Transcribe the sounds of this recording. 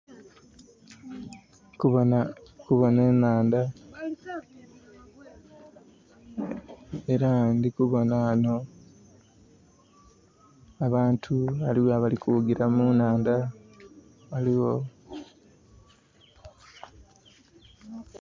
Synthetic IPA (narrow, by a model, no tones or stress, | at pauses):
unkuβo̞ne̞ːnaːnda | eɾandikuβo̞naano̞ | aβaːntʰualiwaβalikuuɡiɾamunaːnda | βaliwo